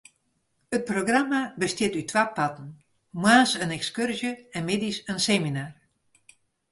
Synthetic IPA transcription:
ət̚proɡramabəstjɪtytʰwaːpatn̩ | mwaːsənɛkskørzjəɛnmɪdisənseːminaːr

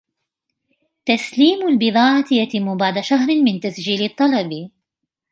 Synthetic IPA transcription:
t̪asliːmʊlbɨðˤɑːʕɑt̪jat̪ɪmːʊbaʕd̪aʃaɦɾɪmɪnt̪asd͡ʒiːlɨt̪ˤːɑlɑb

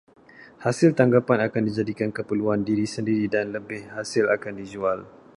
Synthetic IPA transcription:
hasɪlt̪aŋɡapanakandid͡ʒadikankəpəluandiɾisəndiɾidanləbɪhhasɪlakandid͡ʒual

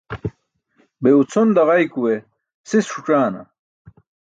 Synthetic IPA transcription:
beut͡sʰond̪ɐʁɐjkuwe | sisʰuʈ͡ʂaːnɐ̰

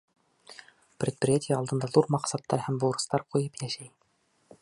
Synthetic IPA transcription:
prʲet̪̚prʲɪjatʲʰɪjəɑlˠd̪ɤ̆nd̪ɑðuɾmɑqsɑt̪ːɑɾhæmbuɾɤ̆st̪ɑɾqujɤpjæʃæj

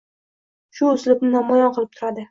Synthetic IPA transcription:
ʃʊːsɪlɪp̚nɪnamɒjɒnqʰɨlˠɪp̚t̪ʰʊɾad̪ɪ

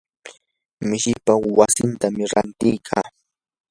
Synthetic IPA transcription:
mɪʃɪpawasɪnt̪amɪɾant̪ɪjkʰaː

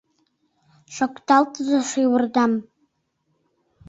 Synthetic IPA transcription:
ʃʷakʷʰʼtʰaltʼzaʂʷiwrdam

